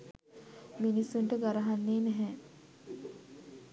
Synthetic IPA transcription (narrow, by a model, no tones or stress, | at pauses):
minisːuɳʈəɡaɾaɦanːeːnɛɦɛ